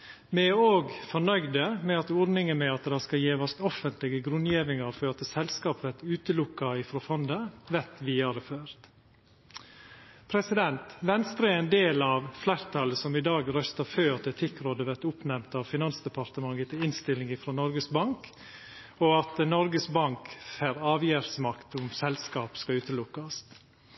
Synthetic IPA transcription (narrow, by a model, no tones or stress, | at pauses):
mɛoːɡfɔɳœʏd̪əmɛɑt̪ɔɾd̪nɪŋənmɛɑt̪d̪ɑskɑjeːʋɑst̪ɔfənt̪lɪɡəɡɾʉnjiːʋɪŋɑɾføːɾɑt̪sɛlskɑːpʋæɾt̪ʉːt̪əlʊkːɑɪfɾoːfɔnd̪əʋɛt̪ʋɪɑɾføːɾt̪ | pʰɾɛsɪd̪ɛnt̪ʋɛnst̪ɾəɛɛnd̪eːlɑʋflæːɾt̪ʰɑləsɔmɪd̪ɑːɡɾœst̪əɾføːɑt̪ɛt̪ʰɪkːɾoːd̪əʋæɾt̪ʊpnɛmt̪ɑʋfɪnɑnsd̪ɛpɑɾt̪əmɑŋət̪ɪnst̪ɪlɪŋɪːfɾoːnɔɾɡəsbɑŋk | ɔɑt̪nɔɾɡəsbɑŋkfæːɾɑːʋjæːɾsmɑkt̪ʊmsɛlskɑːpskɑʉːt̪əlʊkːɑst̪